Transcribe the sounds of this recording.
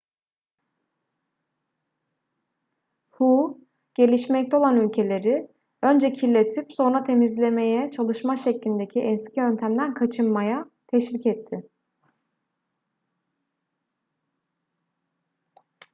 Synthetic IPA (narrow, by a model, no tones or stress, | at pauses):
hu | ɟ̥e̞lʲiʃmɛc̚t̪ɛo̞lˠanylʲcʰe̞lʲe̞ɾɪ | ø̞nd͡ʒɛcʰilʲːe̞t̪ʰipso̞nɾat̪ʰe̞mizlʲe̞me̞jɛt͡ʃʰalˠɯʃmaʃɛclʲind̪e̞cʰiʔɛnscʰʲiø̞nt̪ʰæmd̪ænkʰat͡ʃʰɯnmaja | t̪ʰɛʃvicɛt̪ʰːɪ